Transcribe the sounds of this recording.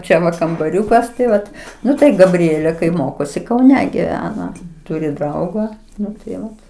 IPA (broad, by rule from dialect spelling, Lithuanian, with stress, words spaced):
ˈt͡ʃʲɛ ʋɐ kɐmbɐˈrʲuːkɐs tɐɪ ˈʋɐt ˈnʊ tɐɪ ɡɐˈbʲrʲiɛlʲeː kɐɪ ˈmoːkoːsʲɪ kɐʊˈnʲɛ ɡʲɪˈʋʲæːnɐ ˈtʊrʲɪ ˈdrɐʊɡɐ ˈnʊ tɐɪ ˈʋɐt